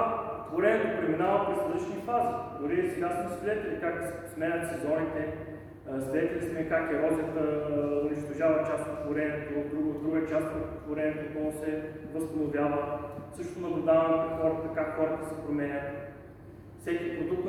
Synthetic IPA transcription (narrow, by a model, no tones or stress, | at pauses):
t̪voɾɛnʲɛt̪opɾɛminavəpɾɛsɾɐd̪əʃnifazid̪ʊɾisɛɡasmsvʲid̪ɛt̪ɛlʲikak̪spsmɛnəlsɛzɔnit̪ɛ | svʲid̪ɛt̪ɛlʲismɛkakɛɾɔziət̪əʊniʃt̪ɐʒavɐt͡ʃast̪ot̪t̪voɾɛnʲiɛt̪od̪ɾuɡəd̪ɾuɡət͡ʃast̪̚kɛt̪t̪voɾɛniɛt̪oponosɛvɐst̪ɐnovʲjavəfsɤʃt̪onɐblʲud̪avɐnɛpɾɛxɔɾət̪əkakxɔɾət̪əsɛpɾomɛnʲət̪ | fsɛkʲipɾod̪ukt̪